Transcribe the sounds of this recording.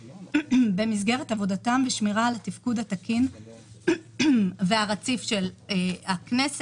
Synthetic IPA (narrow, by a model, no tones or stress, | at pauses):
be̞mizɡe̞ʁetavo̞datamveʃmiʁaːlatifkudhatakin | veaʁat͡sifʃelaknes